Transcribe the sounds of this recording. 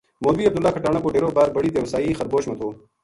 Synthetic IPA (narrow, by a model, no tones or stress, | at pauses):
moːbiːɐb̚d̪ulːaːkʰɐʈaːɳɐboɖeːɾoːbaːɾbɐɽiːd̪ewsaːiːxɐɾboːɕmɐt̪ʰoː